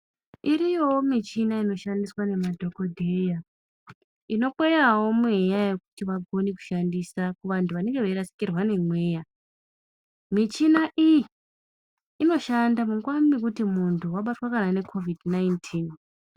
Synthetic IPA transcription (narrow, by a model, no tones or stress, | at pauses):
iɾijo̞womit͡ʃinaino̞ʃandiswane̞madʱo̞ko̞dʱe̞ja | ino̞ɓejawo̞mejaje̞kutiʋaɡʱo̞niku̥ʃandisakuʋantʰuʋane̞ŋɡe̞ʋeiɾasi̥kirwane̞mwe̞ːja | mit͡ʃinaʔiiː | no̞ʃandamuŋɡwamik̬utimuntʰuwaɓatwakanane̞kʰo̞vidnajntʰiːn